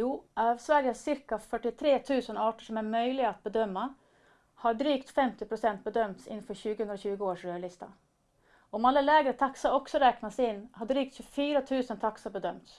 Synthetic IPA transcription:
juːʔɑːvsʋæɾjəhæʂɪɾkafœʈːɪt̪ʰɾeːt̪ʰʉ̟ːsənɑːʈəʂɔmæɾmœʏlɪɡat̪̚bəd̪œmːa | haɖɾyːkt̪fɛmt̪ɪpʰɾʊsɛnt̪̚bəd̪œmt̪sɪ̰nːfœɾɕʉ̟ːɡəhɵnd̪ɾaɕʉːɡəoːʂɾøːɭɪst̪a̰ | ɔɔmalːəlɛːɡɾət̪ʰaksəɔksɔɾɛːknasɪnːhɑɖɾyːk̚t̪ɕɵfyːɾat̪ʰʉ̟ːsənt̪ʰaksabəd̪œmt̪s

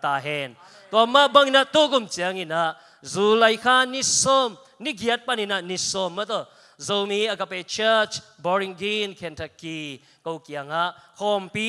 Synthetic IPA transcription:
t̪aɦɛn | t̪uɐmaʔbaŋinaʔt̪ukumt͡ʃiəŋinaʔ | zulɐjkʰanisɔm | niɡiət̚paninaʔnisɔmːat̪ɔ | zowmiɐkapet͡ʃət͡ʃ | bɔɾiŋɡinkʰɛntʰaki | kowkiɐŋaʔkʰɔmpi

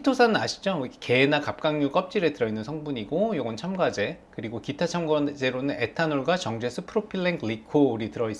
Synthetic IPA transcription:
itʰosʰanɯnaɕʰi̥d͡ʑoike̞enakap̚k͈aŋjuk͈ʌp̚t͡ɕ͈iɾetɯɾʌinːɯnsʰʌŋbuɲiɡojoɡʌnt͡ɕʰamɡad͡ʑe̞kɯɾiɡokitʰat͡ɕʰamɡʌd͡ʑe̞ɾonɯne̞tʰanoɭɡwat͡ɕʌŋd͡ʑe̞sʰɯpʰɯɾopʰiɭːeŋkʰɭikʰouɾitɯɾʌis͈

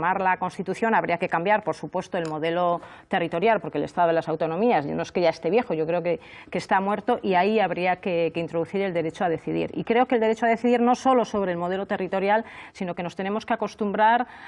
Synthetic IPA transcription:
maɾlako̞nst̪it̪uθjo̞naβɾiake̞kambjaɾpo̞ɾsupwe̞st̪oe̞lmo̞ðe̞lo̞ | t̪e̞rit̪o̞ɾjalpo̞ɾkelest̪aðo̞elasawt̪o̞nõ̞miazanoeske̞ʝae̞st̪e̞βje̞xo̞ʝo̞kɾeoke | keːst̪amwe̞ɾt̪o̞ʔiaiaβɾiakeke̞int̪ɾo̞ð̞uθiɾe̞ld̪eɾe̞t͡ʃoað̞e̞θiðḭɾḭkɾe̞o̞ke̞leɾe̞t͡ʃoaðe̞θiðiɾno̞so̞lo̞so̞βɾeːlmo̞ð̞e̞lo̞t̪e̞rit̪o̞ɾjalsino̞ke̞no̞st̪e̞nemo̞skeako̞st̪umbɾaɾ

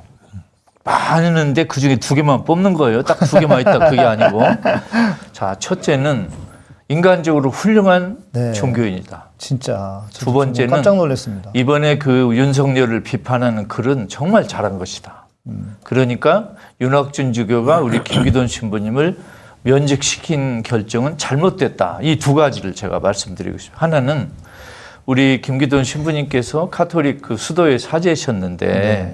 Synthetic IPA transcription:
manɯnɯnde̞kɯd͡ʑuŋe̞tuɡe̞manp͈omnɯnɡʌejott͈ak̚tuɡe̞maɲitt͈akkɯɡe̞aɲiɡo | t͡ɕat͡ɕʰʌt̚t͡ɕ͈e̞nɯn | iŋɡand͡ʑʌɡɯɾoɸuʎːoŋɦant͡ɕʰoŋɡjoiɲid̥at͡ɕint͡ɕ͈atubʌnt͡ɕ͈e̞nɯnaŋnoɭːes͈ɯmɲidaibʌne̞kɯjuns̬ʰʌŋɲʌɾɯɭpipʰanɦanɯnkɯɾɯnt͡ɕʌŋmaɭt͡ɕaɾanɡʌɕʰi̥d̥a | kɯɾʌɲik͈ajunɦak̚t͡ɕ͈und͡ʑuɡjoɡauɾikimɡidonɕʰimbuɲimɯɭmjʌnd͡ʑik̚ɕʰi̥kʰinkjʌɭt͡ɕ͈ʌŋɯnt͡ɕaɭmot̚t͈we̞t̚t͈a̰ituɡad͡ʑiɾɯɭt͡ɕḛɡa̰maɭs͈ɯmdɯɾḭɡo̰ɕi̥hananɯn | uɾikimɡidonɕʰimbuɲimk͈e̞sʰʌkʰatʰoɾik̚kʰːɯsʰudoe̞sʰad͡ʑeɕʰʌnːɯnde̞̰

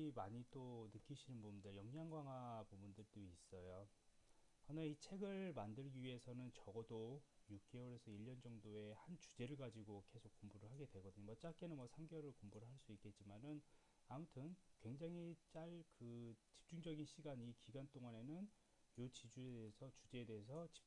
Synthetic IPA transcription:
imaɲit͈onɯk͈iɕʰinɯnbundɯɭjʌŋɲaŋɡwaŋapubundɯɭdois͈ʌjo | ʌnait͡ɕʰe̞ɡɯɭmandɯɭɡiɥie̞sʰʌnɯnt͡ɕʌɡʌdojuk̚k͈e̞wʌɾe̞sʰʌiʎːʌnd͡ʑʌŋdoe̞hant͡ɕu̥d͡ʑe̞ɾɯɭɡad͡ʑiɡoke̞sʰok͈ːombuɾɯɭɦaɡe̞dwe̞ɡʌdɯɲomʌt͡ɕ͈ak͈e̞nɯnmwʌsʰaŋɡjʌɾɯɭkombuɾɯɭɦaɭs͈uik͈e̞t̚t͡ɕ͈imanɯn | amutʰɯnkwe̞ŋd͡ʑaŋit͡ɕ͈aɭkɯt͡ɕi̥p̚t͡ɕ͈uŋd͡ʑʌɡinɕʰiɡaɲikiɡant͈oŋane̞nɯn | jot͡ɕid͡ʑuedeesʰʌt͡ɕud͡ʑe̞ede̞ɦes̬ʰʌt͡ɕi̥

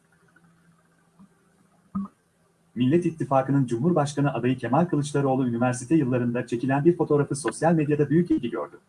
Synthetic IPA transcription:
milʲːɛt̪it̪ʰːifaːkɯnɯnd͡ʒumɦuɾbaʃkanɯʔad̪ajɯcʰe̞malʲkʰɯlˠɯt͡ʃlˠaɾɯo̞lˠuynivæɾsit̪ʰɛjɯlˠːaɾɯnd̪at͡ʃʰe̞cilʲænbiɾfo̞t̪ʰo̞ɾafɯso̞sjalʲme̞d̪jad̪abyjycilʲɟʲiɟø̰ɾd̪y

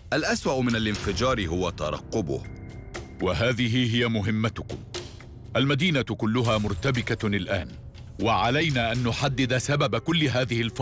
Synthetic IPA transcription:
ʔalʔaswaʔʊmɪnalʔɪnfɪd͡ʒɑːɾɪɦʊwat̪ɑɾˤɑ̰qːʊbʊ̰h | waɦaːðɪɦɪɦɪjamʊɦɪmːat̪ʊkʊm | ʔalmad̪iːnakʊlːʊɦaːmʊɾt̪abɪkaɪlʔa̰ːn | waʕalajnaːʔanːʊħad̪ːɪd̪asababakʊlːɪɦaːðɪhɪlfɑ

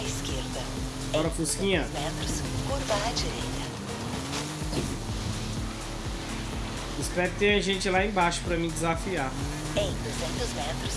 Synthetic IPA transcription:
iskeɾd̪ɐ | ɔɾɐfoskĩɲɐmɛt̪ɾʊskoɾvɐad͡ʒiɾejt̪ɐ | ɪspɛɾʊkɪ̥t̪ẽɲɐʒẽnt͡ʃɪlaẽj̃baʃʊ̥pɾɐmĩd͡ʒɪzafiaɾ | ẽj̃d̪uzẽnt̪ʊzmɛ̃t̪ɾʊs

